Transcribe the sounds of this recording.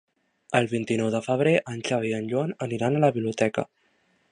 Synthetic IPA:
əlˠβint̪inɔwðəfəβ̞ɾeʔənʲʒawiənʎuanəniɾanələβiβliut̪ɛkə̰

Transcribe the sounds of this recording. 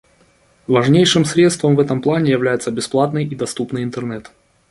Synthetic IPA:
vɐʐnʲejʂɨmsɾʲet̪st̪vəmvɛt̪əmplˠanʲɪjɪvlʲæjɪt̪səbʲɪsplˠat̪nɨjid̪ɐst̪upnɨjɪnt̪ɨrnɛt̪

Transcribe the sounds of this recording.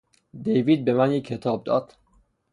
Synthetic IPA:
d̪ejviːd̪̚bemænjekʰːet̪ʰɒːb̚d̪ɒ̰ːd̪̥

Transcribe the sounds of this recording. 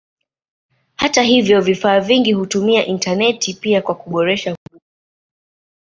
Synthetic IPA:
hataɦivjɔvifaːviŋɡihutumiaʔintanɛtipiakwakuɓɔɾɛʃavu

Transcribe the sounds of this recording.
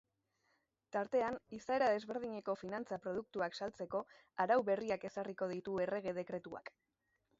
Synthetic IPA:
t̪aɾt̪e̞anisae̞ɾaðe̞zβe̞ɾð̞iɲe̞ko̞finant͡sapɾo̞ð̞uk̚t̪uaksalt͡se̞ko̞ | aɾawβe̞riake̞sariko̞ð̞it̪ue̞re̞ɣ̞e̞ð̞e̞kɾe̞t̪ua̰k

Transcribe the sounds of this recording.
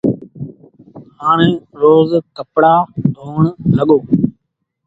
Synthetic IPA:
haːɳ̃ẽːɾoːzkəpɽaːdʱoːɳɦəɠoː

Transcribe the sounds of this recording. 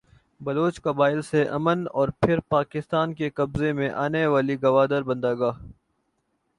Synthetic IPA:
bɐloːt͡ʃkɐbaːɪlseʔɐ̰mənɔːɾpʰɪɾpaːkɪst̪aːnkekɐbzemẽʔaːneʋaːliɡɐʋaːd̪əɾbɐ̃nd̪aːɡaː

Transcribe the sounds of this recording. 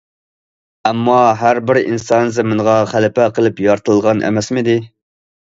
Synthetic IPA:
ɛmːɑɦæɾbɪɾḭnsɑnzɪmɪnʁɑχælɪpæqʰəlˠɨpjɑɾt̪ʰəlˠʁɑnʔæ̰mɛsmɪd̪ɪ

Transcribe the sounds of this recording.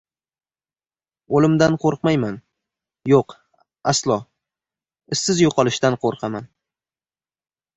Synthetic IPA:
olɪmd̪anqʰoɾqmajman | joq | aslˠɒ | ɪsːɪzjoqʰɒlˠɪʃt̪anqʰoɾqʰɑman

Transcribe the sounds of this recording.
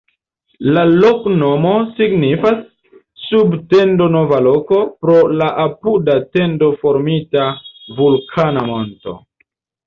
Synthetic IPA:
lalokno̞mo̞siɡnifasː | ubte̞ndo̞no̞valo̞ko̞pɾo̞laʔapudate̞ndo̞fo̞ɾmitavulkʰanamo̞nto̞̰

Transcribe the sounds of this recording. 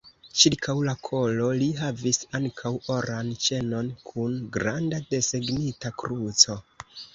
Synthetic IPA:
t͡ʃiɾkʰawlakʰo̞lo̞liɦavisaŋkʰawoɾant͡ʃe̞no̞nkʰunɡɾandade̞seɡnitakɾut͡so̞

